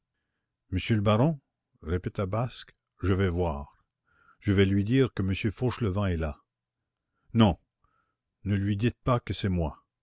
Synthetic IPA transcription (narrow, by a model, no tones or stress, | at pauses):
məsjøləbaʁɔ̃ | ʁepet̪abask | ʒəvɛvwaːʁ | ʒ̥əvɛlɥid̪iːʁkəməsjøfoʃləvɑ̃ɛla | nɔ̃ | nəlɥid̪it̪̚pakəsɛmwa